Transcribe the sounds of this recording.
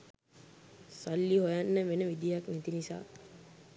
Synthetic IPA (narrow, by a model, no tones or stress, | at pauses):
salːiɦojanːəʋenəʋid̪ijaknɛt̪inisa̰ː